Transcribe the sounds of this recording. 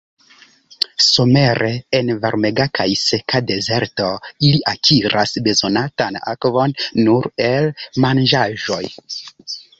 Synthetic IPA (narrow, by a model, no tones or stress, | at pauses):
so̞me̞ɾʔeenvaɾme̞ɡakʰajsekade̞ze̞ɾto̞iliʔakʰiɾʔasbe̞zo̞natana̰kvo̞nːuɾe̞lmand͡ʒaʒo̞j